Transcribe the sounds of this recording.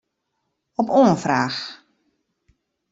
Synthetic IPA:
ɔpoːənfraːx

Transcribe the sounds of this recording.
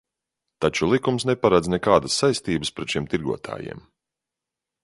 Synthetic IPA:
t̪at͡ʃulˠikumsnɛpaɾad̪znɛkaːd̪əsːajst̪iːbəspɾɛt̪ʃiɛmt̪iɾɡuɔt̪ʰa̰ːjḭɛm

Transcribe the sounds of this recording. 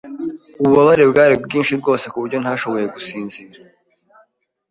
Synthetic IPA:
uβuβaβaɾebɡaːɾibɡiːnʃiɾɡo̞ːse̞kuβuɾɟo̞n̥haʃo̞βo̞je̞ɡusiːnziɾa

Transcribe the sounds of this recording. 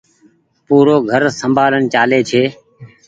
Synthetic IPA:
puːɾoːɡʱəɾsəmbʱaːlənt͡ʃaːleːt͡ʃʰeː

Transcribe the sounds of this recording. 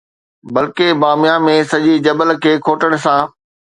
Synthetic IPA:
bɐlkebaːmɪjamẽsɐʄid͡ʑɐbəlkʰeːkʰoːʈəɽ̃̆sãː

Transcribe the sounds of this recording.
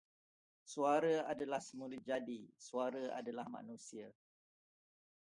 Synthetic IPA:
suaɾaadalahsəmulut̪̚d͡ʒadisuaɾaa̰dalahmã̰nũsia

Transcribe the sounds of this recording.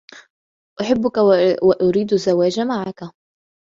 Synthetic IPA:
ʔʊħabːʊkawaʔʊɾiːd̪azːawaːd͡ʒamaʕaka

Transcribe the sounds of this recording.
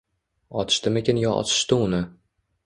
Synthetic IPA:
ɒt̪ʰɪ̥ʃt̪ɪmekʲʰenjɒʔɒ̰t̪ʰɪ̥ʃt̪ɪʊnɪ

